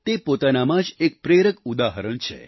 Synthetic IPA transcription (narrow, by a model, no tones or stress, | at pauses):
t̪epot̪anamãd͡ʒek̚pɾeɾəkud̪aɦəɾəɳt͡ʃʰḛ